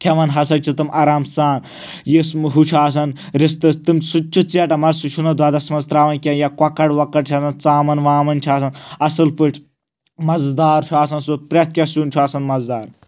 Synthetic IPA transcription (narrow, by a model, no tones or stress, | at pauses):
kʰʲɐʋɐnɦɐsɐt͡ʃʰut̪ɨmʔaːɾaːmsaːn | jisɦut͡ʃʰaːs̬ɐn | ɾist̪ɨst̪ɨmsut͡ʃʰut͡sɐʈɐmɐɾsut͡ʃʰunɐd̪ʱwaːd̪ɐsmɐnzt̪ɾaːʋɐnkʲɐnjakɐkːɐʈʋɐkɐʈ̚t͡ʃʰaːsɐnt͡saːmɐnʋaːmɐnt͡ʃʰaːsɐnɐsɨlpɨʈʰʲ | mɐzd̪aːɾt͡ʃʰaːsɐnsupɾʲɐt̪̚ʰkʲɐsuːnʲt͡ʃʰuaːsɐnmɐzd̪aːɾ